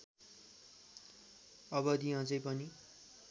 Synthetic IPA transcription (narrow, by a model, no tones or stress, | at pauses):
ʌbʌd̪iɦãt͡sʌjpʌni